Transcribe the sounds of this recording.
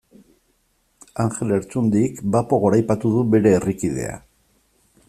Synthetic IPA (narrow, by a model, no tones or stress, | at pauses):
aŋxe̞le̞ɾt͡sund̪ikbapo̞ɣ̞o̞ɾajpat̪uðuβe̞ɾe̞ːrikið̞e̞̰a̰